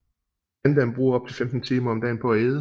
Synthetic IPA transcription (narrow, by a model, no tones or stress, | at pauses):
ænd̥ænb̥ʁṵːɐɒb̥̚t͡sʰe̝femd̥n̩t͡sʰiːmɐɒ̽md̥ɛ̰ːnpʰɒ̽æeːðˠə